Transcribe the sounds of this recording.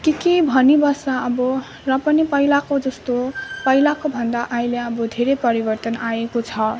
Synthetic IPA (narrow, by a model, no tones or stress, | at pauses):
kikibʱʌnibʌsaʌbʌ | rʌpʌnipʌilakod͡zʌst̪opʌilakobʱʌnd̪aʔaĩleʌbʌd̪ʱeɾepʌɾibʌrt̪ʌnajekot͡sʰʌ